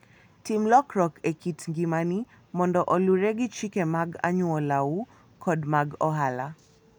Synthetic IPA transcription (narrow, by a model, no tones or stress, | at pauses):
timlɔkɾɔkʰɛkitŋɡimani | mɔndɔʔɔluɾɛɡit͡ʃikɛmaɡa̰ɲuɔlau | kʰɔdmaɡɔɦala